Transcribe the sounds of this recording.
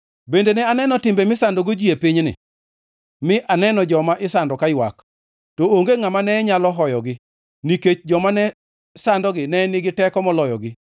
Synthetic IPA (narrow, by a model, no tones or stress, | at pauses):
bendenɛanɛnɔtɪmbemɪsandoɡod͡ʒiepɪɲnɪ̰ | mɪʔanɛnɔd͡ʒɔmaʔɪsandɔkajwak | tooŋɡeŋamanɛɲalɔɦɔjɔɡɪ | niket͡ʃd͡ʒɔmanɛ | sandɔɡɪnɛnɪɡɪtɛkɔmɔlɔjɔ̰ɡɪ